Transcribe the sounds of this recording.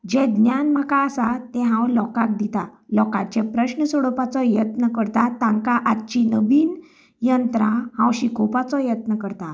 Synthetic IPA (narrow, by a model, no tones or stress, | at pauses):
d͡ʑɛd̪njanm̤akaːsat̪ɛ̃ɦãwlɔkak̚d̪it̪alɔkat͡ɕepɾəɕnəsɔɽəpat͡sɔjət̪nəkəɾt̪at̪ãŋkaʔat̪t͡ɕinəbiːn | jənt̪ɾãhãwɕikopat͡sɔjət̪nəkəɾt̪a